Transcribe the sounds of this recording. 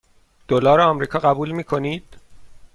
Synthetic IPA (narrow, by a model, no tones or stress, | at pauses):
d̪̥olɒːɾeɒːmɾiːkʰɒːɣæbuːlmiːkʰo̞niːd̪̥